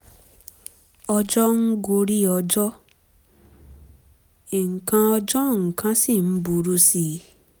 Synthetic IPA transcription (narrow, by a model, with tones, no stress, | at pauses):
ɔ˧d͡ʒɔ˦ŋ̩˦ɡo˧ɾi˦ɔ˧d͡ʒɔ˦ | i˨ŋ̩˨kã˧ɔ˧d͡ʒɔ˦˨ŋ̩˨kã˨˦si˦˨m̩˦bu˧ɾu˦si˦